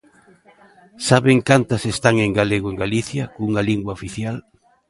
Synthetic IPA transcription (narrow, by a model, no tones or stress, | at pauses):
saβeŋkant̪ɐsest̪aŋeŋɡaleɣoeŋɡaliθjɐkuŋaliŋɡwaofiθjal